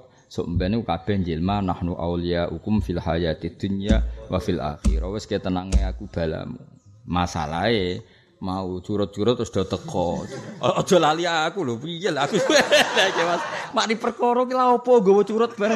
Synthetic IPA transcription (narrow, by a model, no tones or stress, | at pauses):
so̰ʔmbɛnekukab̥ɛ̤ɲd͡ʒelmanahnuʔa̰wliaʔukʊmfilhajat̪id̪̥unijawa̰fila̰xḭɾɔwɪsket̪ənaŋeakub̥a̤la̰mu | masa̰la̰e | maut͡ʃuɾʊt̪̚t͡ʃuɾʊt̪ːɾʊsd̥ɔ̤t̪əkɔɔdd̥ɔ̤laliakulʊpijɛlakusɛdakɛmasmaʔdipərkɔɾɔkilaɔpɔɡowɔt͡ʃuɾʊt̪̚b̥aɾ